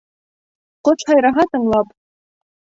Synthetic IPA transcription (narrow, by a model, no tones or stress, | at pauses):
qəʈ͡ʂʷʰħajɾaɦatʰɨmlapʼ